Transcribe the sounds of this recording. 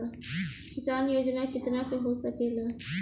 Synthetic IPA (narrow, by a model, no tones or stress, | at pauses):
kɪsaːnjoːd͡ʒnakɪt̪nakeɦoːsɐkeːlaː